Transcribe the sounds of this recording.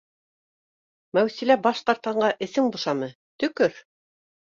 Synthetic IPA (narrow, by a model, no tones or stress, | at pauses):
mæwsilæbɑʃqɑɾt̪ɑɴɢɑʔɘ̆sɘŋbŏʃɑmɤ | t̪ɵ̆kɵɾ